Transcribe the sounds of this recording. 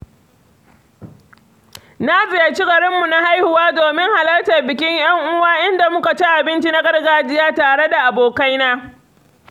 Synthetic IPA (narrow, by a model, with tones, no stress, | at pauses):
na˦zɪ˨ja˦t͡ʃi˦ɡɐ˨ɽɪ˦mːu˨na˦ha˦jhʊ˨waː˦doː˨mɪ˦ŋha˨lɐ˦ltɐ˨rbɪ˨kʲɪ˦ɲj̰ɐ˦ŋʔʊ˦waː˦ʔɪ˦nda˨mʊ˦ka˨t͡ʃi˦ʔa˨bɪ˦nt͡ʃi˦na˦ɡɐ˦ɽɡaː˦d͡ʒɪ˦jaː˦taː˨ɽe˦da˨ʔa˨boː˨ka˦jnaː˦